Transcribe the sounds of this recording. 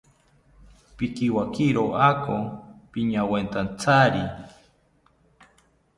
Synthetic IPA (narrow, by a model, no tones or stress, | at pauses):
pikiwakiɾoʔakopiɲawent̪ant͡sʰaɾi